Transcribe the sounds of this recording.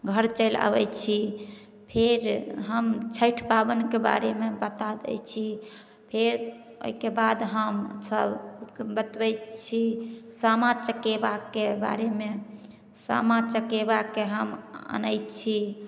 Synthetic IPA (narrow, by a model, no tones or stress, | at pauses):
ɡʱəɾt͡ʃəɪla̰bɛ̰jt͡ʃʰi | pʰeɾɦəmt͡ʃʰəʈʰpabənkeba̰ɾemebət̪ad̪ɛ̰jt͡ʃʰi | pʰeɾ | o̰ikebad̪ɦəmsəbbət̪bɛt͡ʃʰisamat͡ʃəkebakːeba̰ɾeme | sa̰mat͡ʃəkebakːeɦəmə̰nəjt͡ʃʰi